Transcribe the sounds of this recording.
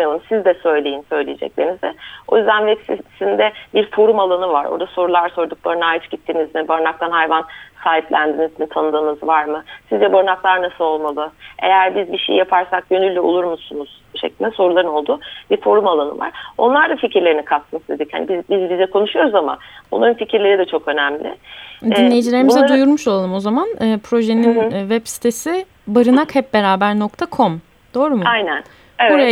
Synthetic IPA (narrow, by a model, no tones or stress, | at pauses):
mijalˠɯmsizd̪ɛsø̞jlʲejinsø̞jlʲijed͡ʒɛ̰clʲeɾinizd̪ɛo̞jyzd̪ænvɛsisind̪ɛbiɾfo̞ɾumalˠanɯvaɾʔo̞̰ɾd̪aso̞ɾulˠaɾso̞ɾd̪uk̚lˠaɾɯnaːjit͡ʃɟit̪ʰːiːnizmibaɾnak̚t̪ʰanhajvansaːɦiplʲæ̰nd̪inizmit̪ʰanɯd̪ɯːnɯzvaɾmɯsizd͡ʒɛboɾnaklˠaɾnasɯlˠo̞lˠmalˠɯe̞̰jæɾbizbiʃejijapʰaɾsak̚ɟø̞nylʲːɛolˠuɾmusunuz̥ | ʃeclʲind̪ɛso̞ɾulˠaɾɯno̞lˠd̪uːbifo̞ɾumalˠanɯ̰va̰ɾ̥o̞nlˠaɾd̪aficʰiɾlʲeɾinikʰat̪t̪ɯnsd̪ʰe̞d̪icha̰nḭbibizbizɛkʰo̞nuʃujo̞ɾuzama̰nbonˠaɾɯnficʰiɾlʲe̞ɾid̪ɛt͡ʃʰo̞kø̞næmlʲɪ̰d̪inlʲejid͡ʒilʲe̞ɾimizɛd̪ujuɾmuʃo̞lˠalˠɯmo̞zamanɯːpʰɾo̞ʒe̞ninvɛpsi̥t̪ʰesɪ | baɾɯnakhɛp̚be̞ɾaːbæɾno̞k̚t̪ʰakʰo̞m | d̪̥o̞ːɾumajnæn | ebvuɾa